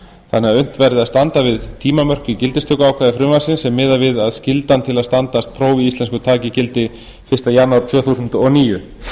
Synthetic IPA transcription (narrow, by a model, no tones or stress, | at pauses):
θanːɛaʏn̥t̪vɛɾðɪast̪ant̪avɪðt̪ʰiːmamœr̥cʏcɪlt̪ɪst̪ʏkaːwkʰvaːðɪfɾʏmvasɪnsɛmːɪːðavɪðaðscɪlt̪ant̪ʰɪlaðst̪ant̪ast̪̚pʰɾoːwviist̪lɛnskʏt̪ʰaːcɪcɪlt̪ɪ | fɪ̥st̪ajanːawɾ̥t̪ʰvœːθusʏnt̪ɔniːjʏ